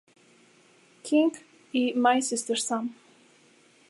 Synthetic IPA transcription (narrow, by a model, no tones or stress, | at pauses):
kʰɪ̃ŋɡ | imajsɪstəɹsãn